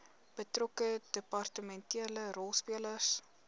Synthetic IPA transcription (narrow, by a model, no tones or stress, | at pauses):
b̥ətrɔkədəpɑrtəmɛntiələɾɔlˠspiələs